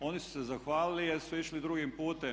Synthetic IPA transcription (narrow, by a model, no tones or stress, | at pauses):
o̞ːnisu̥sezaxʋaːlilijeɾsuiʃlid̪ɾuɡimpuːt̪e